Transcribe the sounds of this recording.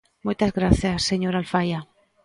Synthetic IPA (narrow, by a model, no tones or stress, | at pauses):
mujt̪azɣɾaθjasːeɲoɾalfaja